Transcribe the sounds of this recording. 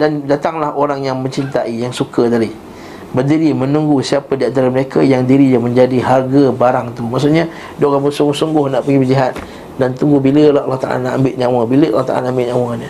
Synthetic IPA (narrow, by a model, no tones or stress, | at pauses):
dandat̪aŋlahoɾaŋjaŋmə̃ɲt͡ʃint̪aʔijaŋsukəd̪ali | bərdiɾimə̃nuŋɡusiapadiant̪aɾaməɾekʰajaŋdiɾiamə̃ɲd͡ʒadiɦarɡabaɾaŋt̪umaʔs̬ʊʔɲa | dokabəsuŋɡʊhsuŋɡʊhnaʔpəɡibəd͡ʒiɦat̪̚ | dant̪uŋɡubiləlaalːaht̪a̰ʔa̰lanaʔambɪʔ̪̚ɲãw̃abiləʔa̰lːaht̪a̰alanaambɪʔ̪ɲãwaɲə